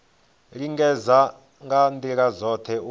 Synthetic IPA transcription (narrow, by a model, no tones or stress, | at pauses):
ɺiŋɡɛza | ŋɡandiɺazɔt̪ʰɛu